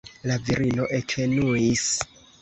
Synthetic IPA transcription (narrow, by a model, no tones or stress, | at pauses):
laviɾino̞ʔe̞t͡ʃenuis